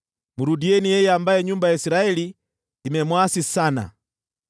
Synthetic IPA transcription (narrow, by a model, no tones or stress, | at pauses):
muɾudiɛnijɛjambaɛɲumbajaisiɾaɛli | imɛmwasisana̰